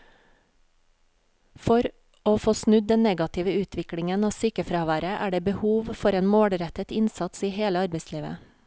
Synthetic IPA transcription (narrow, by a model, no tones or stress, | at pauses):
fɔɾ | oːfoːsnʉd̪̚d̪ɛnnɛɡɑt̪ʰɪʋəʉːt̪ʰʋɪkɽɪŋənoːsyːkəfɾɑːʋæːɾəʔæːɖeːbəhuːʋfɔɾeːnmoːɽɾɛt̪ət̪ɪnsɑt̪siːheːləɑɾbeɪsliːʋə̰